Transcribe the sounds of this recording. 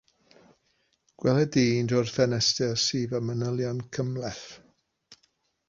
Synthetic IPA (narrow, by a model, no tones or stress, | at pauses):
ɡ̥wɛlɛdiːndɔrfɛnɛstɛsiːvamənəlˠjɔnkʰəmlɛθ